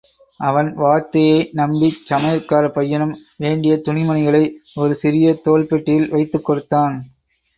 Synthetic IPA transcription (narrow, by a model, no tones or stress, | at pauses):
ʔɐʋɐnʋaːɾt̪ːɐjɐɪnɐmbit͡ʃːɐmɐjɾkaːɾɐpɐjːɐnɯmʋeːɳɖɪjɐt̪ʊɳɪmɐnɪɣɐɭɐɪɔɾɯsɪɾɪjɐt̪oːlpɛʈːɪjɪlʋɐɪt̪ːɯkːɔɽɯt̪ːaːn